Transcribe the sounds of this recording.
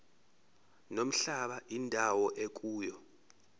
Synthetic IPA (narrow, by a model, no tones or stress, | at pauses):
nom̩ɬaɓaʔindʱawɔʔek̬ʼuːjɔ